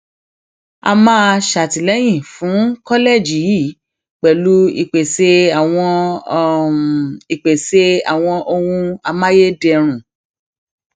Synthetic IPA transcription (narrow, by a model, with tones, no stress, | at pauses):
a̰˧mãː˦ʃa˨ti˨lɛ˨˦j̃ĩ˦˨fũ˨˦kɔ˦le˦˨d͡ʒi˨˦ji˦˨ | k͡pɛ˨lu˦ḭ˧˨k͡pe˨se˧a˦˨w̃ɔ̃˧˦˨ | i˨k͡pe˨se˧a̰˨w̃ɔ̃˧ʔo˧wũ˧a˧mã˦je˦dɛ˧ɾ̃ũ˨